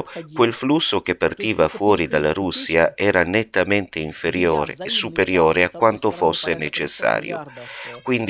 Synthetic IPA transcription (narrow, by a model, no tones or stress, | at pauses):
kwelflusːok̟epːart̪iːvafwɔːɾid̪alːaɾusːiaɛːɾanet̪ːament̪eiɱfeɾjoːɾḛːsːupeɾjoːɾeakːwant̪ofosːenet͡ʃesːa̰ːɾj̰o̰kwind̪